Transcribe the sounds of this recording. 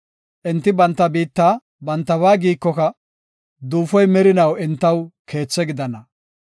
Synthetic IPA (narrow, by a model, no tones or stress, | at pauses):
ʔɛnt̪ːɪbɐnt̪ːɐbiːt̪ːaː | bɐnt̪ːɐβaːɡiːkːɔkɐ | d̪uːfɔjmɛɾɪnɐwɛnt̪ːɐwkʰe̞ːt͡sːɛɡɪd̪ɐnɐ